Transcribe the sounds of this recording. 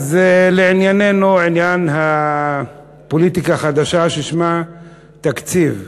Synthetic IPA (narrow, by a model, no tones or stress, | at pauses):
zleʕinjane̞nuʕinjanɦa | po̞lit̪ikaχad̪aʃaʃeʃma | t̪akt͡siv